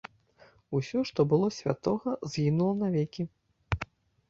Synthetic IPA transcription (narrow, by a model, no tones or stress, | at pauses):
usʲɔʂt̪ɔbɨlˠɔsʲvʲa̰t̪ɔɣɐzɣʲinulˠɐnavʲekʲi